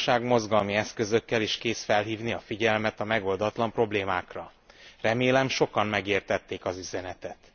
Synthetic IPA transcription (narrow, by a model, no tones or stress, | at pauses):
ʃaːɡmo̞zɡɒlmiɛskø̞zø̞kːɛliːʃkeːsfɛlɦiːvniɒfiɟɛlmɛt̪ɒmɛɡo̞ld̪ɒt̪lɒmpro̞bleːmaːkrɒ | rɛmeːlɛmʃo̞kɒmːɛɡeːrt̪ɛt̪ːeːkɒzyzɛnɛt̪ɛt̪